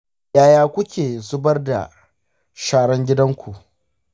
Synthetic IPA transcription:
jaː˦jaː˦kʷʊ˦kʲeː˨zʊ˦bɐ˦rda̰˨ | ʃaː˦ɽɐ˦ŋɡʲɪ˦dɐ˦ŋkʷʰu˨ʔ

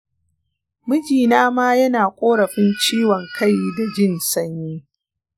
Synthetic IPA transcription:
mʊ˦d͡ʒiː˨naː˦maː˦jɐ˦naː˨kʷʼoː˦ɽɐ˨ɸɪ˦nt͡ʃiː˦wɔ˨ŋkʰa˦˨jda˨d͡ʒɪ˦˨nsɐ˦ɲjiː˦

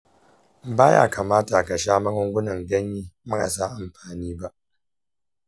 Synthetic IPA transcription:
baː˦ja̰ː˦ka˨maː˦ta˨ka˨ʃaː˦mɐ˦kɐ˦ŋɡʷʊ˦nɐ˨ŋɡɐ˦ɲjiː˦mɐ˦ka̰˨sa˦˨ʔa˨mɸaː˨niː˦ba˦ʔ

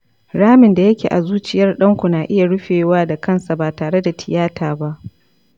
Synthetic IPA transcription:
ɽaː˦mɪ˨nda˨jɐ˦kʲḛː˨ʔa̰˨zuː˦t͡ʃɪ˦jɐ˦rɗɐ˦ŋkʷu˨naː˨ʔɪ˦ja˨ɽʊ˦ɸeː˨waː˦da˨kɐ˦˨nsa˨baː˨taː˨ɽe˦da˨tʰɪ˨jaː˦tʰaː˨ba˦ʔ

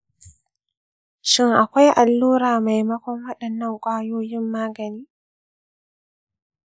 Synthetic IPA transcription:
ʃɪ˦ŋʔa˨kʷa˦jʔa˨lːuː˦ɾaː˨ma˨jmɐ˦kʷɔ˦ŋwɐ˦ɗɐ˨nːɐ˦ŋkʷʼaː˦joː˦jɪ˦mːaː˦ɡɐ˨niː˦

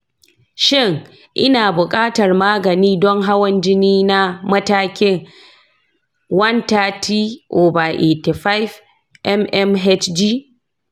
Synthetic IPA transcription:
ʃɪ˦ŋ | ʔɪ˦naː˨bʊ˨kʼaː˦tɐ˨rmaː˦ɡɐ˨niː˦dɔ˦ŋɦa˦wɐ˦nd͡ʒɪ˦niː˦na˦mɐ˦taː˦kʲɪ˦ŋ | wɐ˦ntaː˦tʰiː˦ʔoː˨ba˨ʔe˨ti˨ɸa˦jf | ʔɛ˦mʔɛ˦mɦɛ˦t͡ʃd͡ʒiː˦

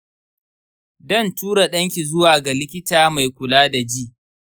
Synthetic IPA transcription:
dɐ˦˨ntuː˦ɽa˨ɗɐ˦ŋkʲi˨zʊ˦waː˨ɡa˨lɪ˦kʲɪ˦taː˨ma˨jkʷʊ˨laː˦da˨d͡ʒiː˦

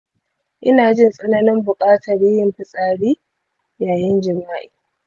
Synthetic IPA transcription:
ʔɪ˦naː˨d͡ʒɪ˦nsʼɐ˦naː˦nɪ˦mbʊ˨kʼaː˦tʰɐ˨ɽiː˦jɪ˨mɸɪ˨sʼaː˨ɽiː˦ | jaː˨jɪ˦nd͡ʒɪ˨maː˦ʔi̥ː˨

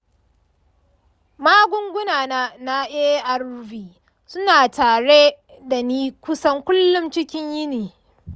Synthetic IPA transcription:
maː˦ɡʷʊ˦ŋɡʷʊ˦naː˨naː˦na˦ʔeː˦ʔa˦rviː˨ | sʊ˦naː˨taː˨ɽe˦ | da˨niː˦kʷʊ˦sɐ˦ŋkʷʊ˦lːʊ˦mt͡ʃɪ˦kʲɪ˦ɲjɪ˦niː˨

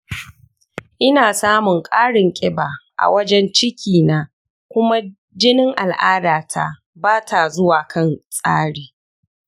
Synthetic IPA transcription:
ʔɪ˦naː˨saː˦mʊ˨ŋkʼaː˦ɽɪ˨ŋkʲʼɪ˦baː˨ʔa̰˨wɐ˦d͡ʒɛ˦nt͡ʃɪ˦kʲiː˨naː˦ | kʷʊ˦ma˦ | d͡ʒɪ˦nɪ˦ŋʔa˨lʔaː˦daː˨tʰa̰˦˨ | baː˦tʰa˨zʊ˦waː˨kʰɐ˦˨nsʼa̰ː˦ɽeː˨

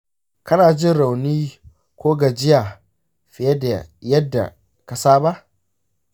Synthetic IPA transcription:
kɐ˦naː˨d͡ʒɪ˦nɽa˨wniː˦ | kʷoː˦ɡa˨d͡ʒɪ˦jaː˨ | ɸɪ˨jɛ˦da̰˨jɐ˦dːa̰˨ | kɐ˨saː˦ba˦ʔ

